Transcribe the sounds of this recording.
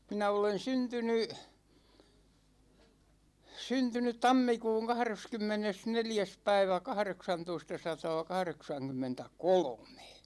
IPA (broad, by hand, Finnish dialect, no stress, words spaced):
minæ olen syntyny syntynyt tɑmːikuːŋ kɑhreskymːenesneljæs pæiʋæ kɑhreksɑntoistɑsɑtɑːkɑhreksɑŋkymːentækolome̥